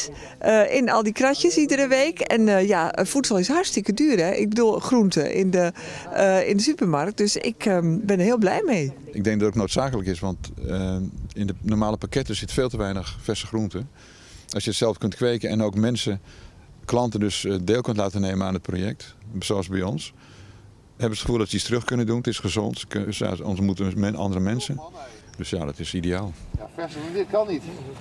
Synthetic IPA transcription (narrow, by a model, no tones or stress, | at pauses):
əʔɪnɔ̰lˠdikracəsidərəʋeːkɛ̰njafutsɔlˠɪsɦartstɪkədyːrɛʔɪ̰ɡ̚bədulˠxruntəʔɪ̰ndə | ɪ̰ndəsypərmark̚t̚d̥øsɪ̰kəbɪnərɦiːlˠblɛjmej | ɪɡ̚dɛŋɡdɔtotnoːtsaːkələkɪsʋɑntəɪndənɔmaːləpakɛtəsɪtfeːlˠtəʋɛjnəxfɛsəxruntə | ʔɑlˠsjəətsɛlˠfkøntkʰʋeːkəɛnowkmɛnsə | klɑntəndøsdeːlˠkøntlaːtəneːməaːnət̚pʰrojɛk̚tsoɑsbɛjɔns | hɛbəətχəfuːlˠdɔtsədistrøxkønəduntɪsχəzo̰ntksja̰ɔ̰nsmutəmɛnɑ̰ndərəmɛnsə | døsjaːdɔtɪsideaːlˠfɛsəuntɪkɑnit